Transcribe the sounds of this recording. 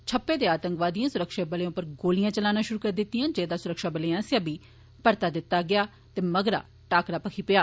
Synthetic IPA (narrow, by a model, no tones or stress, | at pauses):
t͡ʃʰəpːeːd̪eːaːt̪əŋkʋaːd̪ijãːsʊɾəkʃaːbəlẽpəɾɡoːlɪjãːt͡ʃəlaːnaːʃʊɾuːkəɾd̪ɪt̪ːɪjãːd͡ʒeːd̪aːsʊɾəkʃaːbəleːãːsəbiː | pəɾt̪aːd̪ɪt̪ːaːɡɪaː | t̪eːməɡɾa̰ː | ʈaːkɾaːpəkʰiːpɪjaː